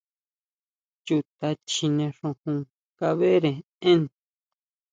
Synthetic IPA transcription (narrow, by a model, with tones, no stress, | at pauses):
t͡ʃu˧t̪a˧t͡ʃi˧nẽ˧ʂũ˧hũ˧ | ka˧βe˦ɾẽ˨ | ẽ˦n